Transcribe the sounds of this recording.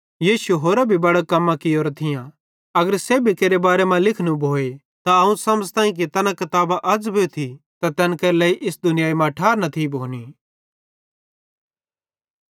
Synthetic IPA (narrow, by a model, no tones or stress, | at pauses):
jiːsuɦoːɾabʱibɐɽakɐmːãkɪoːɾat̪ʰɪjã | ɐɡəɾseːbʱikeːɾebaːɾemãlɪkʰnũbʱoːe | t̪aɐũsɐməzt̪ãːĩk̬et̪ɛːnãkɐt̪aːbaʔɐd͡zbʱeot̪ʰi | t̪at̪ɛːnkɐɾlɛːiʔɪsd̪ʊnɪjaːimãʈʰaːɾnɐt̪ʰibʱoːni